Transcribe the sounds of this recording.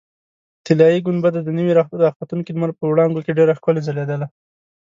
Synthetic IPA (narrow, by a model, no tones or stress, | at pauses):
t̪ɪlɑjiɡʊnbad̪ad̪ənəwiɾɑd̪ɑxbat̪unkimaɾpəwɽɑŋɡokeɖeɾaxkʊlezaled̪əla